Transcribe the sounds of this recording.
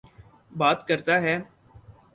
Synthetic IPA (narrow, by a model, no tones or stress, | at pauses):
baːt̪kəɾt̪aɦɛː